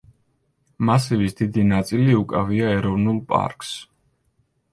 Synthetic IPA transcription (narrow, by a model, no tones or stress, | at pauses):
masivisd̪id̪inat̪sʼiliukʼaviaɛɾɔvnulˠpʼa̰ɾkʼs